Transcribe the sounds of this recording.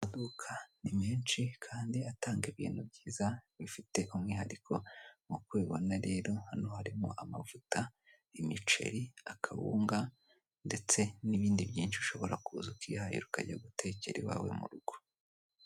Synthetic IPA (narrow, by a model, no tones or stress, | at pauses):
amadukʰanimiːnt͡ʃikʰaːndiataːŋɡiβḭːn̥hub̚ɟiːzaβifite̞ʔumŋiːhaɾikʰo̞mukweːβonaɾe̞ːɾo̞hanohaɾimo̰ʔamavuta | imit͡ʃe̞̰ɾiakʰaβṵːŋɡa | nde̞t͡se̞niβiːndibjiːnʃiʃo̞βo̞ɾakuzukihajo̰ɾuka̰ɟaɡutʰe̞ːce̞̰ɾiwa̰ːwe̞̰mṵɾuɡ̥o